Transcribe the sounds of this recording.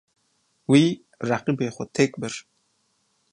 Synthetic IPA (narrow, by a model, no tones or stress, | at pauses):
wiː | raqibeːχʷɔt̪ʰekʼbɨr